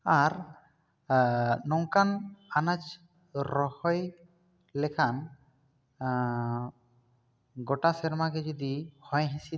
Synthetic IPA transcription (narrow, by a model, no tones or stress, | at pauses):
aɾ | nɔŋkananad͡ʒ | ɾɔhɔj | lɛkʰan | ɡɔʈasɛɾmaɡɛd͡ʒɔd̪ihɔjɦĩsi